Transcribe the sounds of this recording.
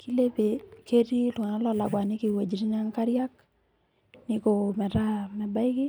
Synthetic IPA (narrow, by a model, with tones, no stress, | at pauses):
kʰi˦le˦pe˨ke˦ɾi˦lwa˨na˦lɔ˦˨la˨ɡwa˨nɪ˦ki˨we˨d͡ʒi˨ɾi˦ɲa˦ŋka˦ɾja˦k | nɪ˦ko˨mɛ˨ɾa˦mɛ˨ba˦ɪ˦ɡɪ˦